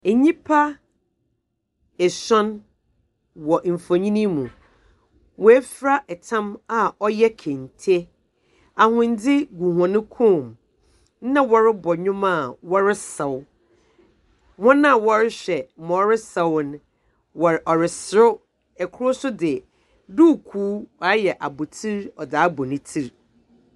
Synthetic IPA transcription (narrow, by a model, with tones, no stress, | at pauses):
e˨ɲĩ˦pʰa˦ | ɛ˨ɕɔ̃˦n | wɔ˨m̩˨fo˨ɲĩ˦nĩ˦mũ˨ | wɔ˨ɛ˦fɾa˦ʔɛ˨tʰã˦ma˨ɔ˦jɛ˦kʰẽ˨n˨tʰe˦ | a˨hʊ̃˨n˦dɪ˦ɡu˨ɦɔ̃˨nʊ̃˦kʰũ˦˨m˦ | nã˦wɔ˨ɾɪ˦bɔ˨ɲᶣʊ̃˦mã˦˨wɔ˦ɾɪ˦sɛ˨w | mɔ̃˦nã˦˨wɔ˦ɾɪ˦ɕᶣɛ˨˦mɔ̃˨˦ɾɪ˦sɛ˨wñ˦ | wɔ˨ʔɔ˨ɾɪ˨sɾʊ˦ | ɛ˨kʰʊ˦ɾʊ˦sʊ˦dɪ˨ | du˦˨kʰuː˦ɔ˨a˦jɛ˨ʔa˨bʊ˨tʰi˦ɾɔ˨daː˨˦bɔ˨nɪ̃˦tʰi˦ɾ